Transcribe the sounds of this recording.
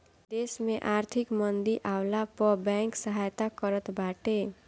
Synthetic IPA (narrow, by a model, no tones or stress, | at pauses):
d̪esmeʔaɾt̪ʰikmʌnd̪iʔawlapʌbaŋksʌɦajt̪akʌɾʌt̪baʈe